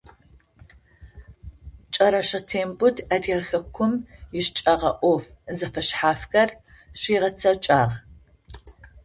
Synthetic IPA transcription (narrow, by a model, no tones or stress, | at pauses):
t͡ʃʼɐɾɐʃɐtʰeːmbʊdʰɐdɐrxɐkʷʰʊmjɪʃt͡ʃʼɐʁɐʔʷɔfzɐfɐɕħaːfxɐr | ɕiːʁɐt͡sʰɐt͡ʃʼaːʁ